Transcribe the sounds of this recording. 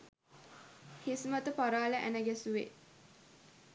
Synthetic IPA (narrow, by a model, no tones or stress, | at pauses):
hismət̪əpaɾaːləʔæ̰nəɡæsuʋḛ